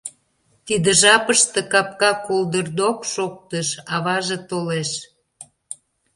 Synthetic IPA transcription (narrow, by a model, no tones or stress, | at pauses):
t̪id̪əʒɑpəʃt̪ĕkɑpkɑkold̪ərd̪okʃok̚t̪əʃɑβɑʒet̪oleʃ